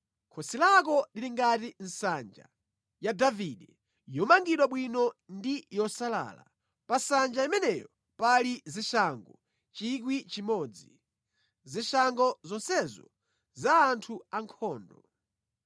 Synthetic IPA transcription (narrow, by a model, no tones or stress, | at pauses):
kʰɔsilakɔliliŋɡatin̩sand͡ʒa̰ | jadaviɗɛ | jɔmaŋɡiɗwaɓwinɔndijɔsala̰ːla̰ | pasand͡ʒaimɛnɛjɔ | paliziʃaŋɡɔ | t͡ʃik̬wit͡ʃimɔːd͡zi | ziʃaŋɡɔzɔnsɛzɔ̰ | zaːntʰuaŋkʰɔːndɔ